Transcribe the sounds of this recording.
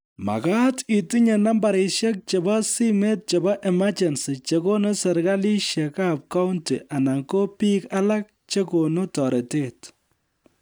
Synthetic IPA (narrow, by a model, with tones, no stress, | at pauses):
ma̰˨ka˦ti˨ti˦ɲɛ˨na˦mba˨ɾɪ˨ʃɛ˦k̚t͡ʃe˨bɔ˦si˦me˦t̚t͡ʃe˨bɔ˦ʔɛ˨ma˦t͡ʃɛ˨nsi˨t͡ʃe˦ko˦nu˦sɛ˨ɾɡa˦li˦ʃjɛ˨ka˦p̚ka˦ʊnti˨ʔa˨na˨ŋko˦pi˦ka˦la˦k̚t͡ʃe˦ko˨nu˦tɔ˨ɾe˨te˦t